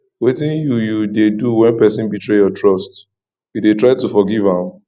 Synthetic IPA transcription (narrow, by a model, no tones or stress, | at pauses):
wetĩnjujudeduwɛ̃npɛsĩnbitɹejɔtɹɔst | jidetɹaɪtufɔɡivãm